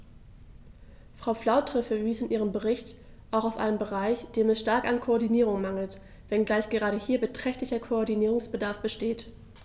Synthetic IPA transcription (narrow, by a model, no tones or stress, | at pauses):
fʁ̥aʊflaʊtʁ̥əfɛviːsɪnʔiːʁəmbəʁɪçt | ʔaʊxaʊfʔa̰ɪnəmbəʁaɪçd̥eːmɛsʃtaɐkankʰoɔɐdiniːʁ̞ʊŋmaŋl̩t | vɛnɡlaɪçɡ̥əʁ̞aːɾəhiːɐbətʁ̥ɛçtlɪçɐkʰoɔɐdiniːʁʊŋsb̥ədaɐfb̥əʃteːt